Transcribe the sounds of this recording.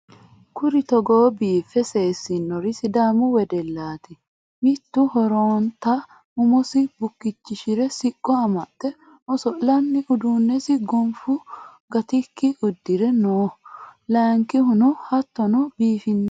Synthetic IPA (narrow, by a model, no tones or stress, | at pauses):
kʊɾɪt̪ɔɡoːbiːfɛse̞ːsɪnːɔɾɪsɪd̪aːmʊwɛd̪ɛlːaːt̪ɛ | mɪt̪ːʊhɔɾoːnt̪ɐ | ʊmɔsɪbʊkːɪt͡ʃːɪʃɪɾɛsɪkʼːɔɐmɐt̪ːɛ | ʔɔsɔlɐnːɪʔʊd̪uːnːɛsɪɡɔmfʊ | ɡɐt̪ɪkːɪʔʊd̪ːɪɾɛnoːlaːŋkɪɦʊnʊhɐt̪ːɔnɔbiːfɪnː